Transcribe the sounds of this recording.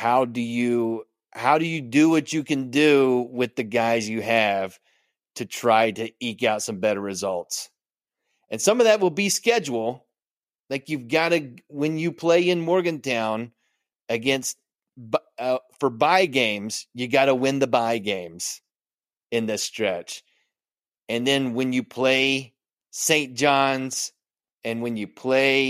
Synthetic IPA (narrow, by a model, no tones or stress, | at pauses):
haʊdɨjɨ | haʊɾɨjɨdɨwʌt͡ʃɨkɨ̃ndʉwɪðɨɡaɪzjɨɨv̥ | tʰɨtʰɹ̥aɪɾɨikaʊtsʌ̃mbɛɾə˞ɹɨzʌlˠts | ɨ̃nsʌ̃mʌvðɨt̚wəlˠbiskɛd͡ʒwl̩ˠ | laɪkjʉvɡɑɾɨwɨ̃njɨpʰl̥eɪɨ̃nmɔɹɡɨ̃ntʰãʊ̃n | ɨɡɛ̃nst̚ | bʌfə˞baɪɡẽɪ̃mz̥jɨɡɑɾəwɪ̃nðəbaɪɡẽɪ̃mz̥ | ɨ̃nðɨstɹ̥ɛt͡ʃ | ɨ̃nðɨ̃nwɨ̃njɨpʰl̥eɪ | sẽɪ̃nd̥ʒ̥ɑ̃nz̥ | ɨ̃nwɨ̃njɨpʰl̥eɪ